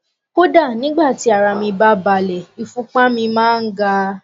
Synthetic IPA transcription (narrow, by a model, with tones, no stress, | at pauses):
ko˦da˦˨nĩ˨˦ɡ͡ba˦˨ti˨˦a˨ɾa˧mĩ˧ba˦ba˧˨lɛ˨i˨fũ˨˦k͡pã˦mĩ˧mãː˦n̩˦ɡa˧